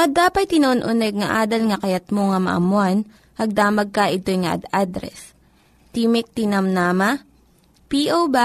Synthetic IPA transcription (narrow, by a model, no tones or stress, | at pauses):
kɐd̪aːpɐjt̪ɪnonʔʊnɛɡ̚ŋɐʔaːd̪ɐlŋɐkɐjɐt̪̚moŋɐmɐ̰ʔɐ̰mʊan | ʔɐɡ̚d̪aːmɐɡ̚kɐʔɪt̪ojŋɐʔɐ̰d̪ad̪ɾɛ̰s | t̪iːmɪk̚t̪inɐmnamɐ | piʔowba